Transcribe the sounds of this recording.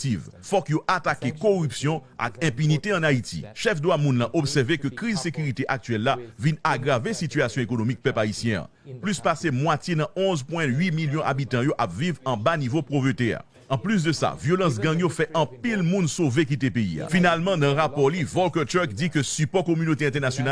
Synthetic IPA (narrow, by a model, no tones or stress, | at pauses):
tivfɔkjoʔat̪akekoʁypsjɔ̃ʔa̰kɛ̃pynit̪eɑ̃nait̪ʰḭʃɛfd̪wamũnlãʔopsɛʁvekøkʁizsekyʁit̪eʔak̚t̪ɥɛlːavinaɡʁavesit̪yasjɔ̃ekonomik̚pœpaisjɛ̃ã̰ | plyspasemwatjenɑ̃ɔ̃zpwɛ̃ɥimiljɔ̃ʔa̰bit̪ɑ̃joʔapvivɑ̃banivopʁovøt̪ɛa̰ | ɑ̃plys̬d̪əsa̰vjolɑ̃s̬ɡɛ̃ŋjofɛʔɑ̃pilmũnsovek̬it̪epeḭa̰finalmɑ̃nɑ̃ʁapɔʁlivɔlkɛt̪ɛkdikøsypɔkomynot̪eɛ̃t̪ɛʁnasjona